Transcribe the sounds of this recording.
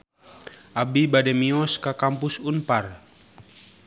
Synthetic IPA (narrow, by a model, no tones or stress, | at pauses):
ʔabibadɛmiɔskakampusunpar